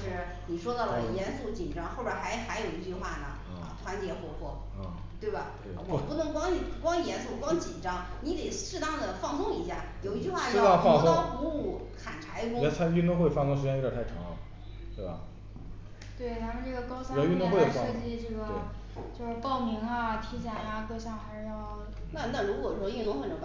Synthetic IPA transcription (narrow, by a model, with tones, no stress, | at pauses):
ʂɻ̩˥˩ | ni˨˩ʂwɔ˥d̪ɑ˥˩lə˩jɛ˧˥nsu˥˩t͡ɕi˨˩nʈ͡ʂɑ˥ŋxo˥˧ʊʈ͡ʂə˧˥xa˧˥ɪ˩xa˧˥ɪjo˨˩ʊi˧˥t͡ɕy˥˧xwa˥˩nə̰˩˧˩ɐ̰˧˩t̪ʰwa˧˥nt͡ɕjɛ˧˥xwɔ˧˥pʰwɔ˥˩˧ | t̪we˥˩ɪbɐ̰˩˧wɔ˧˩pu˥˩nɤ˧˥ŋkwɑ˥ŋi˥˩˥kwɑ˥ŋ˨˩jɛ˧˥nsu˥˩kwɑ˥ŋt͡ɕi˨˩nʈ͡ʂɑ˥ŋ | ni˧˥t̪e˨˩ɪʂɻ̩˥˧t̪ɑ˥˩ŋd̪ə˩fɑ˥˧ŋsʊ˥˧ŋi˧˥ɕja̰˥˩jo˨˩ʊi˧˥t͡ɕy˥˧xwa˥˩˥ɑ˥˧˥fɑ˥˧˥xu˧˥u˥˩ | kʰa˨˩nʈ͡ʂʰa˧˥ɪkʊ˥ŋ˥t͡sʰy˥˧nt̪ʊ˥˧ŋxwe˥ɪ˩˨˩fɑ˥˧ŋt̪ʊ˥ŋʂɻ̩˧t͡ɕjɛ˥˩ə˞˨˧˥t̪ʰa˥˩ɪʈ͡ʂʰɑ̰˧˥ŋ | t̪we˥˩ɪbɐ̰˩ | t̪we˥˩ɪt̪ʰa˥mə˧˨nʈ͡ʂɤ˥˩ɡə˩kɑ˥ʊɕy˥˧t̪ʊ˥˧ŋ˥xe˥˩˧fʂɤ˥˧t͡ɕi˥˧ʈ͡ʂɤ˥˩ɡə˩e˩ | t͡ɕjo˥˧ʊʂɻ̩˥˧pɑ˥˩ʊmi˧˥ŋɐ˧t̪ʰi˧˥˩t͡ɕja˥ja˧kɤ˥˧ɕjɑ˥˧xa˧˥ɪʂɻ̩˥˧jɑ˥˧ʊ | na˥˧na˥˩ɻu˧˥kwɔ˨˩ɻwə˧˥y˥˧nt̪ʊ˥ŋxwə˨˩nʈ͡ʂ